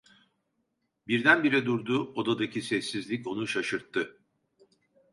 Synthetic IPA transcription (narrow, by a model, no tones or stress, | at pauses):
biɾd̪ænbiɾɛd̪uɾd̪uo̞d̪ad̪acʰisɛsːizlʲico̞nuʃaʃɯɾt̪ʰːɯ